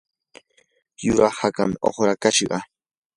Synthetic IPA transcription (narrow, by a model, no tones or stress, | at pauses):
jʊɾʔaχhakamo̰χɾakaʃɢɑ̰